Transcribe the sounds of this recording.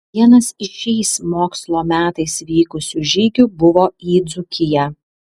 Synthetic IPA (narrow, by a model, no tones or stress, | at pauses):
ʋʲiɛnɐsɪʃʲɛɪsmoːkslˠoːmʲæːt̪ɐɪsʋʲiːkʊsʲuʒʲiːɡʲʊbʊʋoːiːd̪zʊkʲɪjɛ